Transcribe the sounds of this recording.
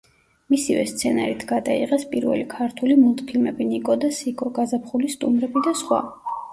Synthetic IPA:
misivɛ̰st̪sʰɛna̰ɾit̪ʰɡ̥ad̪aḭʁɛspʼiɾvɛ̰likʰaɾt̪ʰulimulˠt̪ʼpʰilmɛbinikʼɔd̪asikʼɔɡazapχulist̪ʼumɾɛbid̪asχwa̰

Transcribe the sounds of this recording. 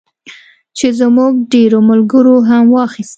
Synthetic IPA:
t͡ʃezmuɡ̚ɖeɾomʊlɡəɾoɦamwɑxist̪

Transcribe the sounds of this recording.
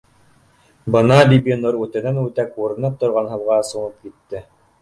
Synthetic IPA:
bɤnɑbibʲinoɾʉt̪ɘ̆nænʉt̪ækuɾɤ̆nɤp̚t̪ŏɾʁɑnɦɤ̆lˠʁɑɤ̆sɤ̆nɤp̚kit̪ːɘ

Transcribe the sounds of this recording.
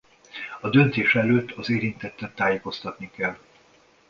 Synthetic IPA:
ɒd̪ø̞nt̪eːʃɛløːt̪ʰːɒzeːɾint̪ɛt̪ːɛnt̪aːjeːko̞st̪ɒt̪nikɛlː

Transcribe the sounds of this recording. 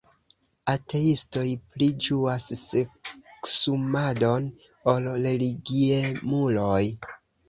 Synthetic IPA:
atʰe̞isto̞jplid͡ʒuasseksumado̞n | olɾe̞liɡiemuloj

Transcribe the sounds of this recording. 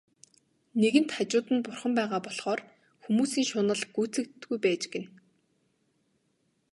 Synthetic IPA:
neɣɘ̆n̥t̪χat͡ɕʊːt̪ɘ̆npʊrχə̆mpæːʁaːpɔɮχɔːr | xumuːsiːŋʃʊːnə̆ɮɡ̥ujt͡sɘ̆kt̪ɡujpæːt͡ɕɡen

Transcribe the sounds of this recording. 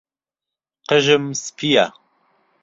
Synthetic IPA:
qəʒɨmspʰija

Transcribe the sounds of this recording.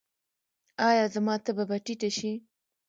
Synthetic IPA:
ɑjɑzamɑt̪ababaʈiʈaʃi

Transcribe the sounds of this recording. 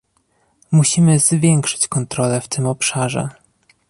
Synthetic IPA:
muɕimɘzvʲjɛŋkʂɘ̥t͡ɕkɔnt̪ɾɔlɛft̪ɘmɔpʂaʐɛ̰

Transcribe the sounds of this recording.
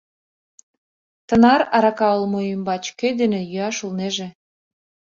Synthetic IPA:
t̪ə̆nɑɾɑɾɑkɑolmoymbɑt͡ɕkød̪enĕjyɑʃulneʒĕ

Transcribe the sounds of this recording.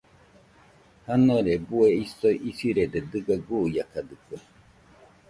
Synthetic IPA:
hanoɾebueisoʔisiɾed̪ed̪ɨɡaɡujakad̪ɨpe

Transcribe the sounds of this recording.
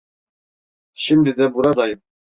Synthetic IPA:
ɕimd̪ɘd̪æbuɾɑd̪ɑjm

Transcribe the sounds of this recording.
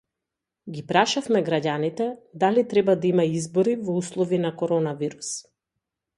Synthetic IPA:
ɡipɾaʃafmɛɡɾaɟanit̪ɛd̪alit̪ɾɛbad̪aimaizbɔɾivɔuslˠɔvinakɔɾɔnaviɾus

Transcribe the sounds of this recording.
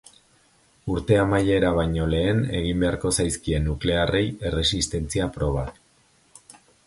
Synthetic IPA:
uɾt̪e̞amaje̞ɾaβ̞ajɲo̞le̞ːne̞̰ɣ̞imbe̞aɾko̞sajskie̞nːukle̞are̞je̞re̞sist̪e̞nt͡siapɾo̞β̞at̪

